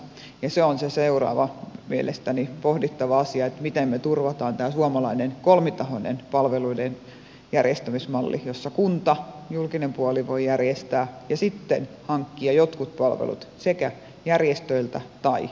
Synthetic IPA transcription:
jɑseonseseurɑ̰ːʋɑmielʔest̪ænipohdit̪ːɑʋɑɑsiɑet̪mit̪emmet̪urʋɑt̪ɑːnt̪æːsuɑmɑlɑinenkolmit̪ɑhonḛnpɑlʋeluiden | jærjest̪æmismɑlːʔijosːɑkunt̪ɑ | julkinempuɑliʋoijærjest̪æːjɑsit̪ːen | hɑŋkːiɑjot̪kut̪̚pɑlʋḛlṵt̪sekæ | jærjest̪øilt̪ɑt̪ɑi

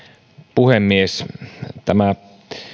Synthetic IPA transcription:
puhemːiest̪æmæ

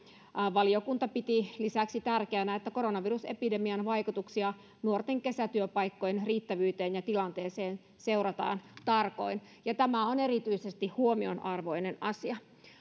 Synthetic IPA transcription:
ʋɑliokunt̪ɑpit̪ilisæksit̪ærkeænæet̪ːæko̞ɾo̞nɑʋiruse̞pide̞miɑnʋɑjkut̪uksiɑ | nuort̪eŋke̞sæt̪yøpɑjkːojenriːt̪ːæʋyːt̪eːnjɑt̪ilɑnt̪eːseːn | se̞urɑt̪ɑ̰ːnt̪ɑrko̞̰in | jɑt̪æmæone̞ɾit̪yisest̪ihhuo̞mio̞nʔɑrʋo̞jnenɑsiɑ

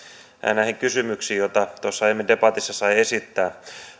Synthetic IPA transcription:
mæ̰ːnæhiŋkysymyksiːjot̪ɑt̪osːɑemːidepɑt̪isːɑsɑiesit̪ːæː

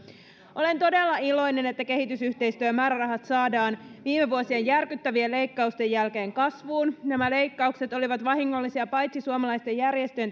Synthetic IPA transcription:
ʔo̞le̞nt̪o̞de̞lːɑilo̞jne̞ne̞t̪ːæke̞hit̪ysyht̪e̞jst̪yːmæːɾærɑɦɑt̪sɑːdɑːnʋiːmeʋuosiejjærkyt̪ːæʋiele̞jkːɑust̪e̞jːælke̞ːŋkɑsʋuːnnæmæle̞jkːɑukse̞t̪o̞liʋɑt̪ʋɑɦiŋːo̞lːisiɑpɑjt̪sisuomɑlɑjst̪e̞jːærje̞st̪øø

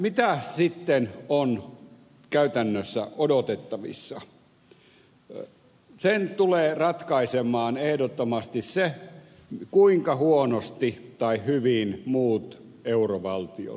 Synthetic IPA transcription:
mit̪æsit̪ːenon | kæyt̪ænːøsːæ̰ʔodot̪et̪ːɑʋḭsːɑ | sent̪uleːrɑt̪kɑisemˑɑːnehdot̪ːomɑst̪isse | kuiŋkɑhuonost̪it̪ɑihhyʋinmuːt̪ | euroʋɑlt̪io̰

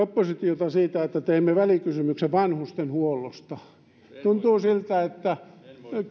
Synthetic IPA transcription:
opːosit̪iot̪ɑsiːt̪æet̪ːæt̪eimːeʋælikysymykseʋɑnhust̪enhuolost̪ɑ | t̪unt̪uːsilt̪æet̪ːæ

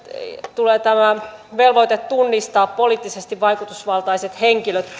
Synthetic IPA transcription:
t̪uleːt̪æmæʋelʋoit̪et̪tːunːist̪ɑːppoliːˑt̪ːisest̪iʋʋɑjkut̪usʋɑlt̪ɑiset̪heŋkiløt̪

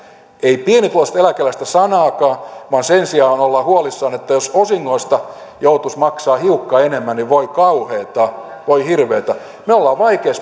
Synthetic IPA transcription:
eipienit̪loˑst̪elækelæst̪æsɑnɑːkɑːʋɑːnsensiɑːonolːɑhuolisːɑːnet̪ːæjososiŋːoist̪ɑ | jout̪usmɑksɑːhiukːɑːenemːænniʋoikɑuheːt̪ɑ | ʋoihirʋeːt̪ɑ | meolːɑʋɑikeːs

